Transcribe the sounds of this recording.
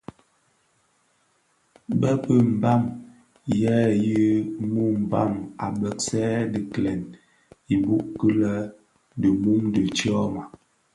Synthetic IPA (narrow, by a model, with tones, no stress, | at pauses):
bə˦pə˦m̩˨ba˦˨m | jɛ˦ji˦mu˦m̩˨ba˦˨ma˨bə˨k̚sɛ˦di˨klɛ˨n | i˨bu˦kə˦lə˦ | də˨mu˦mdə˨t͡ʃɔ˦ma˨